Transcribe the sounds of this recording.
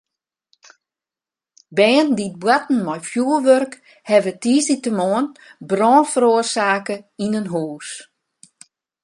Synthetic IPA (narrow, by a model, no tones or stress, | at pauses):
bɛːəndit̚bwatn̩mɔjfjuəlʋørk | hɛʋətiːsitəmoənbrɔːnfəɾoərsaːkəinənɦuːs